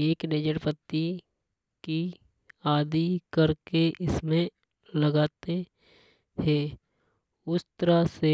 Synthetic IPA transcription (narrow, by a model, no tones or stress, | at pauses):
eːkneːd͡ʒəɾpət̪ːi | ki | aːd̪ikɐɾkeʔɪsmẽ | ləɡaːt̪e | hɛː | ʊst̪əɾase